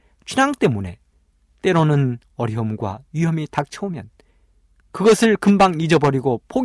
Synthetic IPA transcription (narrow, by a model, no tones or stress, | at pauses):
t͡ɕʰinaŋt͈e̞mune̞̰ | t͈e̞ɾonɯn | ʌɾiɦʌmɡwa̰ɥiɦʌmitak̚t͡ɕʰʌumjʌn | kɯɡʌsʰɯɭkɯmbaŋnid͡ʑʌbʌɾiɡopʰoɡ